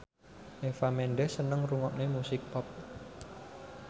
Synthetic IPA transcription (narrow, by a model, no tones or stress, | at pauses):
ʔefamɛnɖɛsənəŋruŋɔʔnemusɪk̚pɔp̚